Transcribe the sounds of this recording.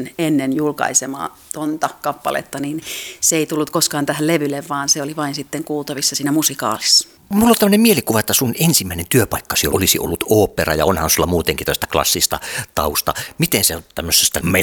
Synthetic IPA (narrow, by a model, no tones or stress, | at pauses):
nenːenjulkɑ̰isemɑ̰ː | t̪ont̪ɑkɑpːɑ̰lḛt̪ːɑninseeit̪ulːut̪koskɑːnt̪æhælleʋyleʋʋɑːnseoliʋɑinsit̪ːeŋkuːlt̪ɑʋisːɑsiːnæmusikɑ̰ːlisːɑ̥ | mulːolt̪æmːønemmielikuʋɑet̪ːæsunensimːˑæˑinent̪yøpɑˑikːɑsio̰olisḭʔo̰lːut̪oːpːˑerɑjɑ̰onhɑnsulːɑmuːt̪eŋkit̪oˑst̪æklɑ̰sːist̪ɑ̰t̪ɑust̪ɑ̰mit̪enseontt̪æmːøsːest̪ːæme